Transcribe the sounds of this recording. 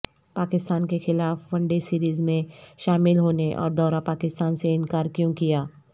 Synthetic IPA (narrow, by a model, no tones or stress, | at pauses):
paːkɪst̪aːnkexɪlaːfʋɐ̃ɳɖesiːɾiːzmẽʃaːmɪlɦoːneʔɔ̰ːɾd̪ɔːɾapaːkɪst̪aːnseɪnkaːɾkjõkijaː